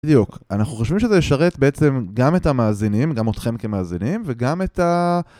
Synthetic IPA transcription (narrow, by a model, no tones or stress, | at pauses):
d̪jukanaχnuχo̞ʃvimʃezejeʃaʁe̞tbeet͡se̞mɡame̞tamaːzinimɡamotχe̞mke̞maːzinimveɡameta